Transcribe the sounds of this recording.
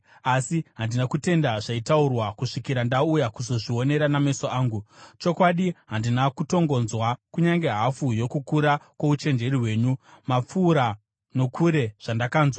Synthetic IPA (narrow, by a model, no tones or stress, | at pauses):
asiɦandinakute̞ndaʐaitaurwakuʂikiɾandaujakuzo̞ʐio̞ne̞ɾaname̞soʔaːŋɡut͡ʃo̞kwaɗiɦandinakuto̞ŋɡo̞nzwakuɲaŋɡe̞ɦafujo̞kukuɾakwo̞ut͡ʃe̞nd͡ʒe̞riwe̞ːɲumap͡fuːɾa | no̞kʰuɾe̞ʐ̥andakaːnzwa